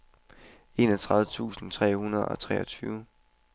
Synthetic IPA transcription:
e̝nɒt͡sʰʁɑ̈ðˠət͡sʰṵːsn̩t͡sʰʁɛ̰ːhunɐðˠɒ̽t͡sʰʁɛːɒ̽t͡sʰyːʊ

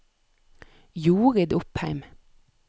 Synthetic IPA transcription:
juːʁɪd̪ʊphæɪm

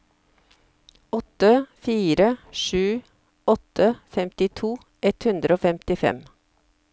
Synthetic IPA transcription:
ɔt̪əfiːɾəʃʉː | ɔt̪ʰəfɛmt̪ɪt̪ʰuː | ɛt̪hʉnd̪ɾəoːfɛmt̪ɪfɛ̰m

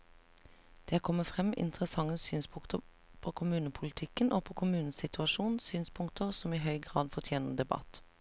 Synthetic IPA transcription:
d̪̥eːkʰɔməfʁɛmɪ̰nt̪əʁəsɑŋəsyːnspʰʊŋt̪ə | pʰoːkʰʊmʉːnəpʰʊlɪt̪ʰɪkənʔoːpʰoːkʰʊmʉːnn̩sɪt̪ʉɑʃuːn̩syːnspʰʊŋk̚t̪əʁsɔmiːɦœʏɡʁɑːd̪fɔʁt̪ʰjeːnəʁd̪ɛbɑ̰t̪

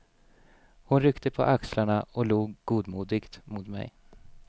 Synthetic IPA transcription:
hʊnɾʏkt̪əpʰɔ̰ʔakslaɳaɔluːɡɡuːd̪muːd̪ɪɡt̪mʊt̪mɛ̰j

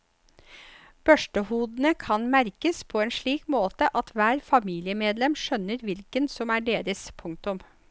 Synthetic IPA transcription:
b̥œʂʈəhuːd̪n̩əkʰɑnmæɾkəspʰoeːnʂɭiːkmoːt̪əʔɑt̪ʰʋæːɾfɑmiːlɪəmeːd̪lɛmʂœnəɾʋɪlkənsɔmæːɖeːɾəspʰʊŋk̚t̪ʊm

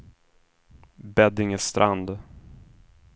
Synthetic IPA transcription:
bɛd̪ɪŋəst̪ɾʔa̰nd̪

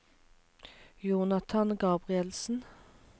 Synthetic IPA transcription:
juːnɑt̪ʰɑnɡɑːbʁɪɛlsn̩

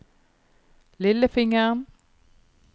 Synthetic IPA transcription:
liləfeŋɐn

